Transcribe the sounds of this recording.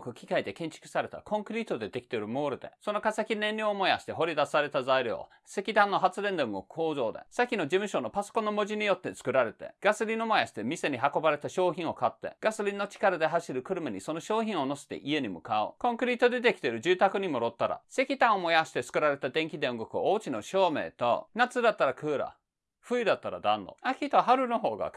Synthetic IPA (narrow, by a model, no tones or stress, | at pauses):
kɯ̟kʲi̥kaid̪e̞kẽ̞ɲt͡ɕi̥kɯ̟̥saɾe̞t̪a̰kʰõ̞ŋkɯ̟ɾʲiːt̪o̞d̪e̞d̪e̞kʲi̥t̪e̞ɾɯ̟mo̞ːɾɯ̟d̪e̞̰so̞no̞kaseakʲinẽ̞nɾʲoomo̞ja̰ɕi̥t̪eɦo̞ɾʲid̪asaɾe̞t̪azaiɾʲo̰ː | se̞kʲit̪ãnːo̞ɦat͡sɨɾẽ̞nd̪eõŋɡokɯ̟̥ho̞ːzo̞ːd̪e̞̰sakʲino̞d͡ʑimɯ̟ɕo̞no̞paso̥ko̞nːo̞mo̞ʑiɲ̟ijo̞t̪ːe̞t͡sɨ̥kɯ̟ɾaɾe̞t̪e̞̰ɡ̥asɨɾʲino̞mojaɕi̥t̪e̞mʲise̞ɲ̟iɦako̞baɾe̞t̪aɕo̞ːçʲĩɰ̃o̞kat̪ːe̞̰ɡ̥asɨɾʲino̞t͡ɕi̥kaɾad̪e̞ɦaɕiɾɯ̟kɯ̟ɾɯ̟maɲ̟iso̞no̞ɕo̞ːçĩɰ̃o̞no̞si̥t̪ḛʔie̞ɲ̟imɯ̟kao̰kõ̞ŋkɯ̟ɾʲit̪o̞d̪e̞t̪e̞kʲi̥t̪e̞ɾɯd͡ʑɨːt̪akɯɲ̟imo̞ɾo̞t̪ːaɾa̰se̞kʲit̪ãɰ̃o̞mo̞jaɕi̥t̪e̞t͡sɨ̥kɯ̟ɾaɾe̞t̪ad̪ẽ̞ŋkʲid̪ẽõŋɡo̞kɯ̟̰oːt͡ɕino̞ɕo̞ːme̞̰ːt̪o̞̰nat͡sɨd̪at̪ːaɾakɯ̟ːɾa̰ | ɸɯ̟id̪at̪ːaɾa̰d̪ã̰nːo̰akʲit̪oɦaɾɯ̟no̞ɦo̞ːɡa̰